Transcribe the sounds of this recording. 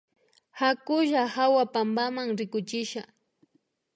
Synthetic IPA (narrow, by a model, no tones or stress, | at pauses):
hakʊʒahawapambamaŋɾɪkʊt͡ʃɪʃa